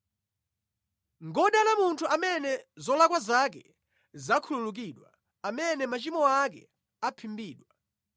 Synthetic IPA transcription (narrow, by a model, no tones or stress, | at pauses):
ŋɡɔɗalamuntʰuʔamɛnɛzɔlakwazak̬ɛ | zakʰululuk̬iɗwa̰ | amɛnɛmat͡ʃimɔak̬ɛ̰ | apʰimbiːɗwa